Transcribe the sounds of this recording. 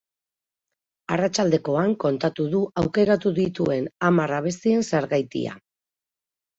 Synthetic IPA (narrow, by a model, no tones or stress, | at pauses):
arat͡ʃald̪e̞ko̞aŋko̞nt̪at̪uðuʔawke̞ɾat̪uðit̪ue̞namaraβ̞e̞st̪ie̞nseɾɣajt̪ḭa̰